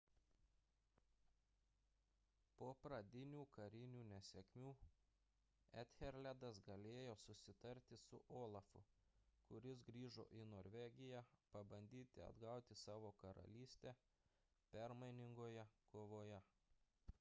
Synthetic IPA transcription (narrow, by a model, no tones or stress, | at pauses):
poːpɾɐd̪ʲɪnʲuːkɐɾʲɪnʲuːnʲɛsʲɛkʲmʲuː | æt̪ʲxʲɛɾʲlʲæd̪ɐsɡɐlʲeːjoːsʊsʲɪt̪ɐɾʲt̪ʲɪsʊʔoːlˠɐfʊ̰kʊɾʲɪs̬ɡɾʲiːʒo̰ːʔɪnoːɾʲʋʲɛɡʲɪjæpɐbɐnʲd̪ʲiːt̪ʲɪɐ̰d̪ɡɐˑʊt̪ʲɪsɑːʋoːkɐɾɐ̰lʲiːsʲt̪ʲæː | pʲɛɾmɐɪnʲɪŋɡoːjɛkoːʋoːjɛ